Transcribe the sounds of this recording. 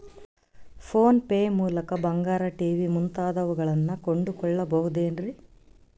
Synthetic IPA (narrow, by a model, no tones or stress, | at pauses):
pʰoːnpeːmuːlɐkɐbɐŋɡaːɾɐʈiːʋimunt̪aːd̪ɐʋuɡɐɭɐnːɐkoɳɖukɔɭːɐbɐɦud̪eːnɾi